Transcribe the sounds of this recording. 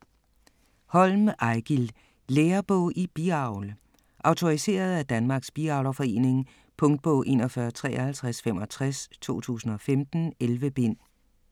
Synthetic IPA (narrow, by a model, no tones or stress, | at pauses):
hɒ̽lmʔɑ̈ɪɡ̥il | leːɐb̥ɔʊʔib̥iɑ̈ʊl | ʔɑ̈ʊt͡sʰo̝ʁise̝̰ːɐð̞̩ˠæd̥ænmɑ̈ːɡ̥sb̥iɑ̈ʊlɐfɒ̽e̝̰ːne̝ŋ | pʰɔ̽ŋd̥̚b̥ɔ̽ʊ̰ʔe̝̰ːnɒ̽fɶɐt͡sʰʁɛ̰ːɐhælt͡sʰʁasfemɒ̽t͡sʰʁast͡sʰo̝̰ːt͡sʰṵːsn̩ɒ̽femd̥n̩elʋəb̥e̝n̰